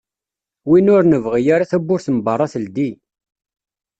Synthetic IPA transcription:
winʊɾnəvʁijaɾaθæbːʊɾθəmbɑrˤːɑθəld̪i

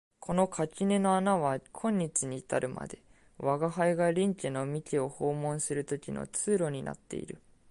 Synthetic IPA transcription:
kʰo̞no̞kʰakʲine̞no̞anaβakʰõ̞ɲ̟ːit͡ɕiɲ̟iːt̪aɾɯ̟ma̰d̪e̞̰ | βaɡaɦaiɡaɾʲĩŋkʲinomʲikʲio̞ho̞ːmõ̞ɰ̃sɨɾɯ̟t̪o̞kʲino̞̰t͡sɨːɾo̞ɲ̟ina̰t̪ːe̞̰ḭɾɯ̟̰

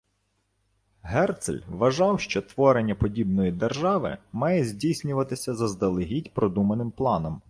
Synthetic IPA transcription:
ɦɛrt̪slʲʋɐʒɑwʃt͡ʃɔt̪ʋɔɾenʲːɐpɔdʲibnɔjid̪erʒɑʋɪ̰mɑjɛzʲdʲijsʲnʲʊʋɐt̪ɪsʲɐzɐzd̪ɐlˠɪɦʲitʲpɾɔd̪umɐnɪmplˠɑnɔm

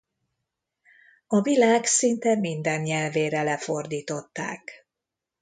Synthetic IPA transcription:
ɒvilaːɡsint̪ɛmind̪ɛnɲɛlveːɾɛlɛfo̞rd̪iːt̪o̞t̪ːa̰ːk

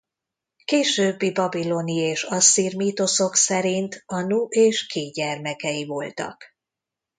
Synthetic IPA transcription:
keːʃøːbːibɒbilo̞nieːʃɒsːiːrmiːt̪o̞so̞ksɛɾint̪ɒnuʔeːʃkʰeːɟɛrmɛkɛivo̞lt̪ɒ̰k

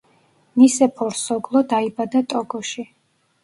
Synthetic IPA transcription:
misɛpʰɔɾsɔɡlˠɔd̪aibad̪at̪ʼɔɡɔʃi

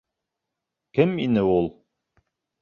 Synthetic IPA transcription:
kɘminɘulˠ

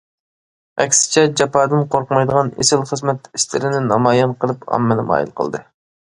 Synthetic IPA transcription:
ɛkʲsɪ̥t͡ʃʰɛd͡ʒɑpɑːd̪ɨnqʰoɾqəmɑjd̪əʁɑnḛsɪlˠχəzmɛt̪ist̪ɪɾɪnɪnɑmɑjɑnqəlˠɨpɑ̰mːɨnɨmɑ̰ːjḭlˠqʰəlˠd̪ɨ

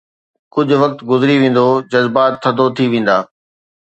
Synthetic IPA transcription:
kʊd͡ʑʱʊ̆ʋɐk̚t̪ɡʊzɪɾiʋẽːn̆d̪od͡ʑɐzbaːt̪ʰːɐd̪ot̪ʰiʋẽːn̆d̪aː

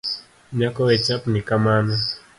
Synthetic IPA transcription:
ɲakɔɛt͡ʃapnikamana

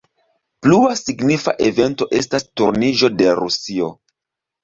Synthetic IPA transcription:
pluasiɡnifa̰ʔe̞ve̞nto̞ʔe̞stastuɾniʒo̞de̞ɾusio̞

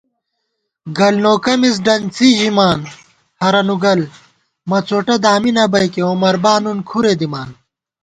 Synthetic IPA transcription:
ɡɐlnoːkɐmis̬ɖɐnt͡siːʑimaːn | hɐɾɐnuɡɐl | mɐt͡soːʈɐd̪aːminɐbɐjkeoːmɐɾbaːnunkʰuɾed̪imaːn

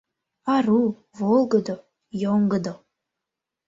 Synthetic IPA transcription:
ɑɾu | volˠɡɤd̪o | joŋɡɤd̪o

